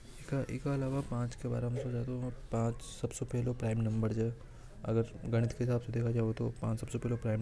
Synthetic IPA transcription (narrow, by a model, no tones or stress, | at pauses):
kaʔɪkaɐlaːʋapãːt͡ʃkeba̰ːɾamsod͡ʒat̪opãːt͡ʃsɐbsopeːlopɾaːɪmnɐ̃mbəɾd͡ʒaː | ɐ̰ɡəɾɡɐɽ̃ɪt̪keɦɪsaːbsed̪eːkʰad͡ʒaːot̪opãːt͡ʃsɐbsopeːlopɾaːɪm